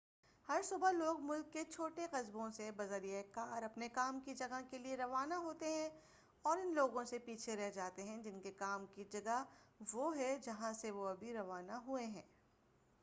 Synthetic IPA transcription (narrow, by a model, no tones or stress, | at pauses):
hɐɾsʊbəloːɡmʊlkːet͡ʃʰoːʈeqɐzbõsebɐzəɾijekaːɾɐpnekaːmkid͡ʒɐɡakelieɾɐʋaːnaɦoːt̪eɦɛ̃ | ɔːɾɪnloːɡõsepiːt͡ʃʰeɾɛɦd͡ʒaːt̪eɦɛ̃d͡ʒɪnkekaːmkid͡ʒɐɡəʋoɦɛd͡ʒɐɦãseʋoɐbʱiɾɐʋaːnaɦueɦɛ̰̃ː